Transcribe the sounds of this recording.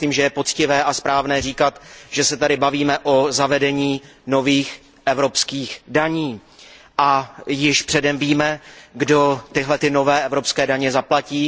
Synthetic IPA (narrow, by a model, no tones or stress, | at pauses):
liːmʒɛjɛpo̞t͡scɪvɛːʔaspɾaːvnɛːriːkat̪ʒ̥ɛsɛt̪adɪbaviːmɛʔozavɛdɛɲiːno̞viːx | ʔɛvɾo̞pskiːxdaɲiː | ʔajɪʃpr̝̥ɛdɛmviːmɛɡdo̞t̪ɪɦlɛt̪ɪno̞vɛːʔɛvɾo̞pskɛːdaɲɛzaplaciː